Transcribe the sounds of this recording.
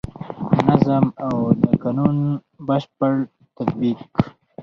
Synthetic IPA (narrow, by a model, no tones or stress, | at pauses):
nazamawlakanun | bəʃpəɽ | t̪ad̪̚bik